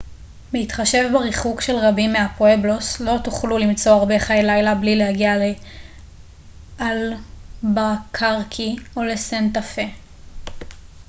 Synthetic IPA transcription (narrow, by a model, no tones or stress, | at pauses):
meit̪χaʃe̞vbaʁiχukʃe̞lʁabimːeapoebloslo̞tuχlulimt͡so̞aʁbe̞χajelajlablilehaɡiale | albakʰaʁkʰio̞le̞sentafe̞